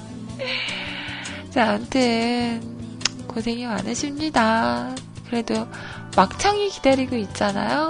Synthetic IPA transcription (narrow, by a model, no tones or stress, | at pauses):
t͡ɕentʰɯnkosʰe̞ŋima̰nɯɕʰind͡ʑida | kɯɾe̞do | mak̚t͡ɕʰaŋikidaɾiɡoit̚t͡ɕ͈ana̰jo